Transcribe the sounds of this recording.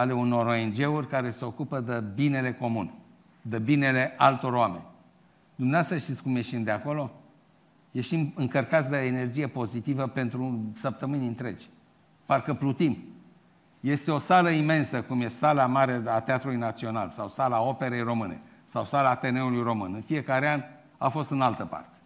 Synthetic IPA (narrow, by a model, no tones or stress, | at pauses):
ale̞uno̞ɾo̞e̞nd͡ʒe̞urʲkaɾe̞se̞o̞kupəd̪ebine̞le̞ko̞mun | d̪ebine̞le̞ʔalt̪o̞ɾoame̞̰nʲ | d̪umneast̪ɾəʃt̪it̪sʲkumjeʃind̪eako̞lo̞ | jeʃimɨŋkərkat̪sʲd̪eene̞rd͡ʒije̞po̞zit̪ivəpe̞nt̪ɾusəp̚t̪əmɨnʲɨnt̪ɾe̞d͡ʒʲ | parkəplut̪im | je̞st̪e̞o̞saləime̞nsəkumjessalamaɾeat̪eat̪ɾulujnat̪sio̞na̰lsawsalaːo̞pe̞ɾejro̞mɨne̞̰ | sawsalaːt̪e̞ne̞ulujro̞mɨnɨnfije̞kaɾean | a̰fo̞st̪ɨnalt̪əpa̰rt̪e̥